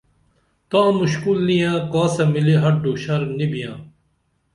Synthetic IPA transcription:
t̪ãːmʊɕkulnijãːkãːsɐmɪliɦɐɖoːʃɐɾmnibijãː

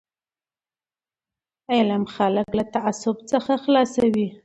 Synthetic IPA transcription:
elamxaləklat̪aʔasʊbt͡səxaxlɑsawi

